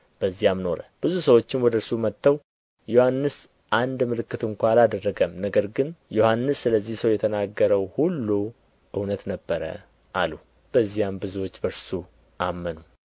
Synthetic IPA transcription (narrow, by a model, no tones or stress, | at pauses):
b̥əzːijamno̞ɾəb̥ɨzusəwo̞t͡ʃːɪnwɔd̪əɾsumət̪ːəw | johanːɨs | ʔand̪mɨlɨkːɨt̪ɨŋkʷalad̪ərːəɡəmnəɡəɾɡɨnjo̞hanːɨsːɨləzːihsəwjɛt̪ʰənaɡːəɾəwhulːu | ʔɨwnət̪nəbːəɾə̰ | ʔalu | b̥əzːijambɨzuwot͡ʃːbəɾsu | ʔamːənu